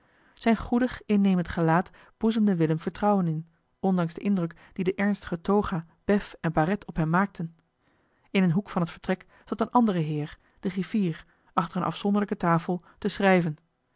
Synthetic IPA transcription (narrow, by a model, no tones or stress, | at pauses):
z̥ɛjnχudəχɪnːejməntχəlaːt | b̥uzəmdəʋɪləmv̥əɹtrɑwənɪn | ɔndɑŋzdəʔɪndrɵk | d̥idəʔɛɹnstə̥χətowχaː | b̥ɛfɛnbaːrɛtʰɔpɦɛmːaːk̚tʰən | ɪnənɦukfɑnɦətfə̥ɹtrɛk | z̥ɑtənʔɑndərəɦɪːɹ | d̥əriv̥iːɹ | ɑχtəɹənʔɑ̰fsɔndəɹləkətaːfəlˠ | təsrɛjvən